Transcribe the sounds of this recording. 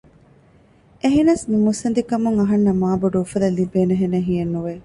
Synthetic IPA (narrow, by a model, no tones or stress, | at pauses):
ʔeɦinɐsmimusɐnd̪ikɐmuŋɐɦɐnːɐmaːboɖuufɐd̪ɐlibeːneɦenɐɦijenːuʋe